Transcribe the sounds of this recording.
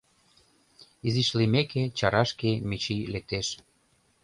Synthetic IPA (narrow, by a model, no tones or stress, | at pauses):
iziʃlimeket͡ɕɑɾɑʃkemit͡ɕilek̚t̪eʃ